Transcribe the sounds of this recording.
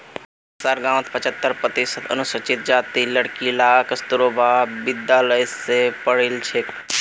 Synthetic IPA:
saːɾɡãːʋ̃t̪pət͡ʃət̪ːəɾpɾət̪isət̪ʰə̰nusət͡ʃit̪̚d͡ʒaːt̪iləɽkilaːkəst̪uɾoːbʱaːbɪd̪jaːləjsepəɽilt͡ʃʰe

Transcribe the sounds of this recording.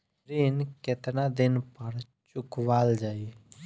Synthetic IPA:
ɾiːnkɪt̪nad̪ɪnpəɽ | t͡ʃʊkʋaːld͡ʒaːiː

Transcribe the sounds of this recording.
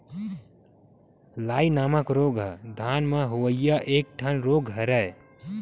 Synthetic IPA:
laːinaːməkɾoɡəd̪ʱanmeɦoʋəɪjaʔek̚ʈʰənɾoɡɦəɾəe

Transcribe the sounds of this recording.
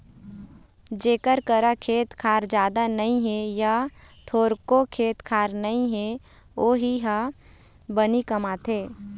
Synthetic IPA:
d͡ʒeːkəɾkəɾakʰeːt̪kʰaːɾd͡ʒjaːd̪anəĩɦejat̪ʰoːɾkokʰeːt̪kʰaːɾnəĩɦe | oːɦiɦa | bənikəmaːt̪ʰeː

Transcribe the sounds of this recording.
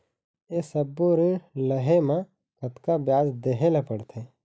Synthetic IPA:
esəbːoɾiləɦemã | kət̪kabjaːzd̪eːɦelapəɽt̪ʰe

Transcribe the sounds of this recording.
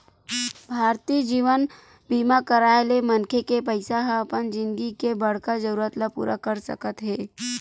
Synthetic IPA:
bʱaːɾt̪iːd͡ʒiːʋən | biːmakəɾaːelemənkʰekepəɪsaɦə̃pənd͡ʒɪ̃nd̪ɡikebɐɽ̤kad͡ʒəɾuːɾət̪lapṵːɾʔakəɾsə̰kət̪ɦɛː

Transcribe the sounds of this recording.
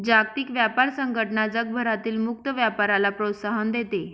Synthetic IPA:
d͡ʑak̚t̪ikʋjapaɾsəŋɡəʈɳad͡zəɡ̚bʱəɾat̪iːlmuk̚t̪əʋjapaɾalapɾot̪saɦənd̪et̪e

